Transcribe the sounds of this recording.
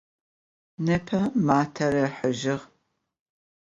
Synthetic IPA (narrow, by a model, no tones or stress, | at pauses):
nɨpʰɐmaːtʰɐɾɐħəʒɪʁ